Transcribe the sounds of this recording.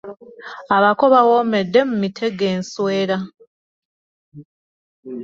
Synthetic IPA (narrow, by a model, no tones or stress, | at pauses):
aβako̞βawome̞dːe̞mumitʰe̞ɡe̞ːnsweːɾa